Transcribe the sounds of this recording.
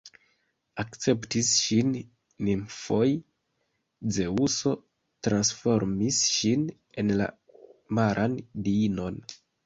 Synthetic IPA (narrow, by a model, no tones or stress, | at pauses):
akt͡se̞ptisʃinː | imfo̞j | d͡ze̞uso̞ | tɾansfo̞ɾmisʃin | e̞nla̰ | maɾʔandiino̞n